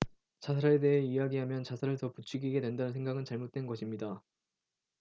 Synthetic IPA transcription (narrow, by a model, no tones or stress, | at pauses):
t͡ɕasʰaɾet̬e̞ɦeijaɡiɦamjʌnt͡ɕasʰaɾɯɭtʌput͡ɕʰuɡiɡe̞dwendanɯnsʰe̞ŋɡaɡɯnt͡ɕaɭmot̚t͈we̞nɡʌɕʰimɲida